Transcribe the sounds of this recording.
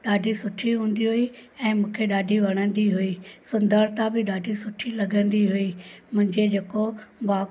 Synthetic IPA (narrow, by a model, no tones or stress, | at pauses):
ɗaːɖʱisʊʈʰiɦũːn̆d̪iɦuiɛ̃ːmũːkʰeɗaːɖʱiʋɐɽ̃ə̃nd̪iɦuisʊ̃nd̪ʱəɾt̪abɪɗaːɖʱisʊʈʰilɐɡə̃n̆d̪iɦuimʊ̃ɦɪ̃ɲd͡ʑed͡ʑeːkobaː